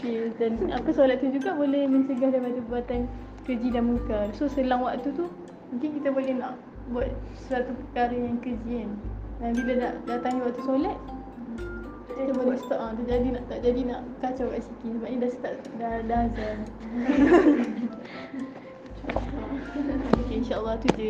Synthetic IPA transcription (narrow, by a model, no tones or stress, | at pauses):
kedanapasolat̪̚t̪ːud͡ʒuɡabolɛhmə̃ɲt͡ʃəɡahdaipadapəbat̪an | kəd͡ʒidanmukasosəlaŋwakt̪ut̪u | mũŋkɪnkit̪abolɛhnaʔ | buat̪̚səɾat̪upəkaɾajaŋkəd͡ʒiandanbilanaʔdat̪aŋɦiwaʔ̚t̪usolat̪̚ | kit̪t̪əbolɛsə̥t̪əʔaŋt̪ad͡ʒadinaʔt̪aʔd͡ʒadinaʔkat͡ʃawkaʔsikisəbap̚ɲĩdasə̥t̪aʔdadaazan | a | okeinʃaʔəlːɑt̪ud͡ʒə